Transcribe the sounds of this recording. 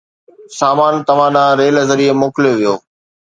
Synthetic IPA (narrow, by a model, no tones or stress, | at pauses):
saːmaːnt̪ɐʋ̤ãɗãːɾeːlzəɾiːemoːkɪljoʋijoː